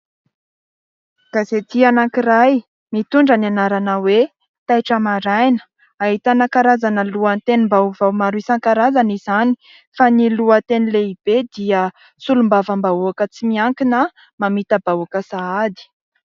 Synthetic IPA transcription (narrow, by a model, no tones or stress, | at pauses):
ɡ̥azet̪ianaŋkiɾaj | mit̪uɳɖ͡ʐənanaɾanawe | t̪ajʈ͡ʂəmaɾajnə̥ | aɦit̪anakaɾazanəluant̪enimbawvawmaɾisaŋkaɾazanizani̥ | faniluət̪enileib̥ed̪iə | sulumbavəmbaoakət͡simiaŋkinə | mamit̪əbaokəsaad̪i̥